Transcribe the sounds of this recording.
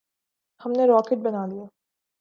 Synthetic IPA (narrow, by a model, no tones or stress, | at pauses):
hɐmneɾɔːkɪʈ̚bɐnaːd̪ijaː